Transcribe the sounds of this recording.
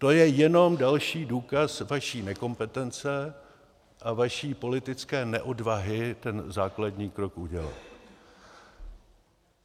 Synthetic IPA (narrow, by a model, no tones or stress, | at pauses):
t̪o̞jɛjɛno̞mdalʃiːduːkasvaʃiːnɛko̞mpɛt̪ɛnt͡sɛ | ʔavaʃiːpo̞lɪt̪ɪt͡skɛːnɛʔo̞dvaɦɪt̪ɛnzaːkladɲiːkɾo̞kʔuɟɛla̰t̪